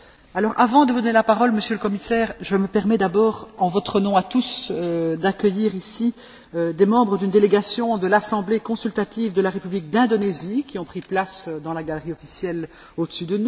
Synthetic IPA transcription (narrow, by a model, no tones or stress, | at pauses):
alɔːʁa̰vɑ̃d̪əvud̪ɔnelapaʁɔlməsjøləkɔmisɛːʁʒəməpɛʁmɛd̪abɔːʁɑ̃vɔt̪χənɔ̃at̪usød̪akʲəjiːʁisi | ød̪emɑ̃bʁəd̪ynd̪eleɡasjɔ̃d̪əlasɑ̃blekɔ̃sylt̪at̪ivd̪əlaʁepyblik̚d̪ɛ̃d̪ɔnezikʲiɔ̃pχiplasød̪ɑ̃laɡalʁiɔfi̥sjɛl | od̪əsyd̪ənu